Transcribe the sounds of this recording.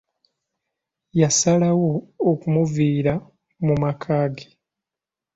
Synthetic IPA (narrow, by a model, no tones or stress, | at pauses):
jasalawoːkumuviːɾa | mumakʰaːɡe